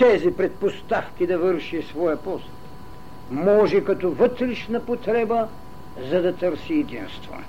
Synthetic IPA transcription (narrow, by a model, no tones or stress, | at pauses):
t̪ɛzipɾɛt̪̚post̪afkʲid̪ɐvəɾʃisvɔjəpɔst̪ | mɔʒɛkɐt̪ɔvət̪ɾiʃnɐpot̪ɾɛbə | zɐd̪ɐt̪əɾsiɛd̪inst̪vo̰